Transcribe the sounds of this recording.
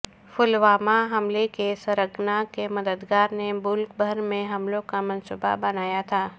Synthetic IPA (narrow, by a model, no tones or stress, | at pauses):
fʊlʋaːmaɦɐmlekesɐɾəɡnakemɐd̪əd̪ɡaːɾnemʊlkbʱɐɾmẽɦɐmlõkamɐ̃nsʊba̰bɐnaːjat̪ʰaː